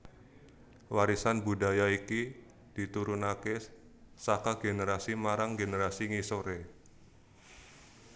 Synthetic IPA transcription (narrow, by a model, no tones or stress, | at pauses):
waɾisanbuda̤jaiki | d̥i̤t̪uɾunake | sakaɡ̥eneɾasimaɾaŋɡeneɾasiŋisoɾe